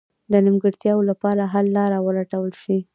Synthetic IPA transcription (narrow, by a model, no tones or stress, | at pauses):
d̪ənimɡəɽt̪jɑwolapɑɾaɦalːɑɾawəlaʈawəlʃi